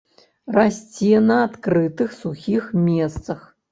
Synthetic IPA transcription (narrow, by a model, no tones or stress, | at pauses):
rasʲt͡sʲɛnɐat̪kɾɨt̪ɨxsuxʲixmʲɛst̪sɐx